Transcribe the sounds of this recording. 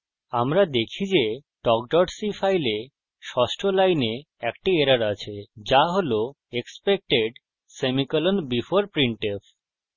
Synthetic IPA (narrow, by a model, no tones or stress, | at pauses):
amɾad̪ekʰid͡ʑe | ʈɔk̚ɖɔɖsifʰajle | ʃɔʃʈʰolajne | ɛkʈieɾaɾat͡ɕʰed͡ʑaɦolo | ekspek̚ʈeɖ | semikɔlonbifoɾpɾiɳʈef